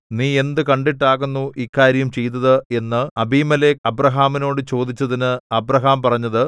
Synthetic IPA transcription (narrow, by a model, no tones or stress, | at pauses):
niːe̞nd̪ɨkɐɳɖiʈːaːɣunːuʔikːaːɾjɐumt͡ɕe̞jt̪ːɐðɨe̞nːɨɐbʱiːmɐle̞ːɐbrɐɦaːmino̞ːɽɨt͡ɕo̞ːd̪it͡ɕːɐðinɨɐbrɐɦaːmpɐrɐɲːɐðɨ